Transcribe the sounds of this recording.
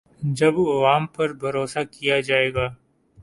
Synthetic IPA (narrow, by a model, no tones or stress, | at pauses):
d͡ʒɐbɐʋaːmpɐɾbʱɐɾoːsakijad͡ʒaːeːɡaː